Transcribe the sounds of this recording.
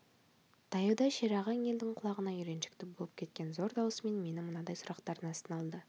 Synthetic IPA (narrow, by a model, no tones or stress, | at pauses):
t̪ʰɑjəd̪ɑʃeɾɑʁɑnje̞ld̪ɪŋqʰʊlˠɑʁənɑjʏɾe̞nʃɪ̥k̚t̪ɪbolˠəp̚kʲʰe̞t̪̚kʲe̞nzo̞ɾd̪ɑwəsəme̞nme̞nɪmənɑd̪ɑjsʊɾɑqt̪ɑɾənɑst̪ənɑlˠd̪ə